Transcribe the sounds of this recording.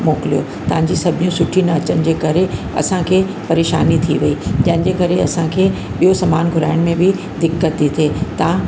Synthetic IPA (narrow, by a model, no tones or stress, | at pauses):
moːkɪlijo̰ | t̪ɐ̃ɦãɲ̆d͡ʑisɐbʱɪjũsʊʈʰinɐɐt͡ɕənɪ̆d͡ʑeːkɐɾe | ɐ̰sãkʰeː | pɐɾeːʃa̰ːnit̪ʰiʋɐid͡ʑɐ̃ɦɪ̃nɪ̆d͡ʑeːkɐɾeɐsãkʰeː | ɓijosɐmaːnɡʱʊɾa̰ːɪɽ̃mẽbʱɪ | d̪ɪkːət̪it̪ʰeːt̪ɐã